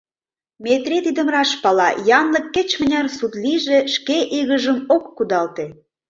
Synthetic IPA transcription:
mʲet̪ɾet̪id̪ə̆mrɑʃpɑlɑjɑnlə̆kːet͡ɕmə̆nʲɑrsut̪liʒeʃkeʔiɣəʒəmokːud̪ɑlt̪e

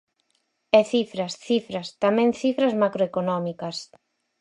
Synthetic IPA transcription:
ɛθifɾasθifɾast̪amɛ̃ŋθifɾazmakɾoekonɔmikɐs

